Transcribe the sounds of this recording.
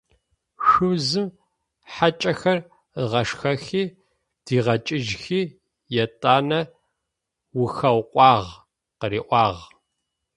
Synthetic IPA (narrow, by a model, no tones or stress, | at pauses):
ʂɨwzɨm | ħat͡ʃʼɐxɐr | əʁɐʂxɐxiː | d̥iːʁɐt͡ʃʼɪʒxiː | jɛtʼaːnɐ | wʊxɐwqʷʼɑːʁ | qəɾiːʔʷɑːʁ